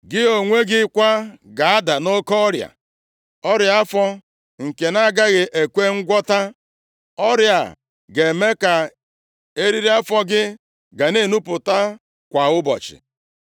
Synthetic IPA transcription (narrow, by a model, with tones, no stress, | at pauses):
ɡɪ˦o˨ŋʷe˦ɡɪ˦kʷa˦ɡa˨a˦da˨no˦kɔ˦ɔ˦ɾja̰˨ | ɔ˦ɾja˦fɔ˦ | ŋ̩˨ke˨na˦ɡa˦ɣɪ˨ʔe˨kʷe˦ŋ̩˦ɡʷɔ˦ta˦ | ɔ˦ɾja̰˨ | ɡe˨me˦ka˨ | e˦ɾi˦ɾi˦a˦fɔ˦ɡɪ˦ | ɡa˨ne˦˨nu˦pʊ˨ta˦ | kʷa˨ʊ˦bɔ̰˨t͡ʃɪ̰˨